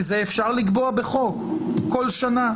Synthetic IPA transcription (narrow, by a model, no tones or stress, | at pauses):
zeefʃaʁliɡbo̞abe̞χo̞kːo̞lʃana